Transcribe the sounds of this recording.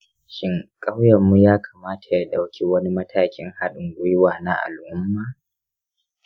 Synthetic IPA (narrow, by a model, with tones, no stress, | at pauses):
ʃɪ˦ŋkʼa˦wjɐ˨mːu˦jaː˦kʰa˨maː˦tʰḁ˨ja˦ɗa˨wkʲi˦wɐ˦ni˦mɐ˦tʰaː˨kʲɪ˦ŋha˦ɗʊ˨ŋɡʷʊ˦jwaː˨na˦ʔa̰˨lʔʊ˦mːaː˨